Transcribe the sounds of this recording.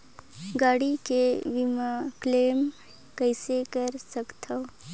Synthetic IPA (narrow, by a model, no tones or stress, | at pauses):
ɡaɽikeʋimaklem | kəjsekəɾsəkt̪ʰaw